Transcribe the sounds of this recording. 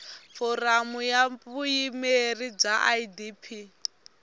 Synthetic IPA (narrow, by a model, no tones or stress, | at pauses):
fɔɾamujapujimerib͡ʐaʔaidipʰi